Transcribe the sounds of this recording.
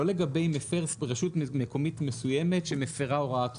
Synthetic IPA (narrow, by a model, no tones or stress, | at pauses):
ole̞ɡabe̞jmefeʁsbʁeʃutmeko̞mitmesujeme̞tʃemefeʁaoʁaat̪